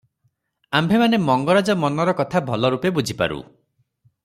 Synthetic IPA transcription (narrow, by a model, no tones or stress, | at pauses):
ambʱemanemɔŋɡɔɾad͡ʒɔmɔnɔɾɔkɔt̪ʰabʱɔlɔɾupebud͡ʒʱipa̰ɾṵ